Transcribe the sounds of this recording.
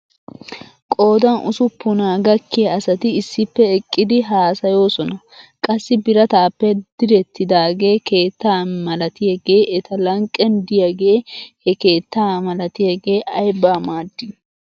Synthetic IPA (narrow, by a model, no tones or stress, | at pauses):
kʼo̞ːd̪ɐnʔʊ̰sʊpːʊnaːɡɐkːɪjɐɐsɐt̪ɪɪsːɪpːɛɛkʼːɪd̪ɪɦaːsɐjo̞ːsɔnɐkʼɐsːɪbɪɾɐt̪aːpːɛd̪̥ɪɾɛt̪ːɪd̪aːɡe̞ːke̞ːt̪ːaːnmɐlɐt̪ɪjɐɡe̞ːʔɛt̪ɐlɐŋkʼːɛnd̪ɪjɐɡe̞ːhɛke̞ːt̪ːaːmɐlɐt̪ɪjɐɡe̞ːʔɐjbaːmaːd̪ːɪ